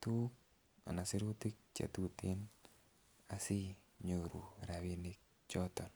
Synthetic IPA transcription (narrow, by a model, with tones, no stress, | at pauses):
t̪u˦k | a̰˨na˨si˦ɾu˦t̪i˦k̚t͡ʃa̰˨t̪u˦t̪e˦n | a˨si˦ | ɲo˨ɾṵ˨ɾa˨wi˦ni˦k̚ | t͡ʃɔ˦t̪ɔ˨n